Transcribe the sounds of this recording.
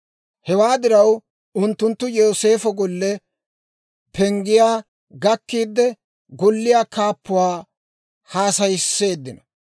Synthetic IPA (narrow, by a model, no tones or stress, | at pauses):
hɛwaːd̪ɪɾɐw | ʊnt̪ːʊnt̪ːʊjoːse̞ːfɔɡɔlːɛ | pʰɛŋɡɪjaː | ɡɐkːiːd̪ːɛ | ɡɔlːɪjaːkaːpːʊwaː | haːsɐjɪsːe̞ːd̪ːɪnɐ